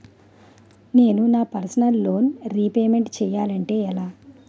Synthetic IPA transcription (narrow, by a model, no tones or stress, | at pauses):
ne̞ːnunaːpɐɾsɐnɐlːo̞ːnɾipeːme̞ɳʈt͡ʃɛːjaːlɐɳʈe̞ːɛlaː